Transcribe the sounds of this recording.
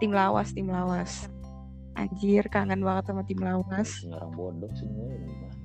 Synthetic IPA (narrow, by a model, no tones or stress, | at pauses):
t̪ɪmlawa̰st̪ɪmlawas | ʔa̰d͡ʒɪrkaŋanwaŋət̪samat̪imlawas | a̰ɾa̰ŋbodɔksiaa